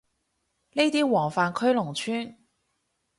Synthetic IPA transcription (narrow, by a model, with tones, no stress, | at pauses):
ne˥jt̪iː˥wɔː˨˩ŋfaː˨nkʰɵ˥ɥlʊ˨˩ŋt͡ʃʰyː˥n